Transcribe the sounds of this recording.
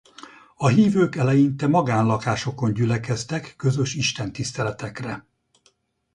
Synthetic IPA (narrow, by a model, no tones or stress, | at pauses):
ɒɦiːvøːkɛlɛjint̪ɛmɒɡaːnlɒkaːʃo̞ko̞ɲɟylɛkɛst̪ɛkːø̞zø̞ʃiʃt̪ɛnt̪ist̪ɛlɛt̪ɛkrɛ